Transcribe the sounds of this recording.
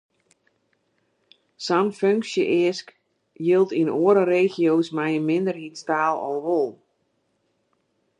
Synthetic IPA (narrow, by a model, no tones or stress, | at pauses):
sanføŋksjəʔɪəsk | jɪlˠtinoəɾəreːxjoːsmɛjənmɪndərhitstaːlˠɔ̰lˠʋolˠ